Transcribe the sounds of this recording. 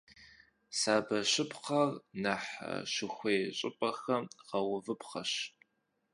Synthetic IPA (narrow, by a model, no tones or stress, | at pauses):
saːbɐɕɪpʰqɐrnɐħɐ̰ʃɨxʷeːɕʼɪpʼɐxɐʁɐwʊvɨpχɐɕ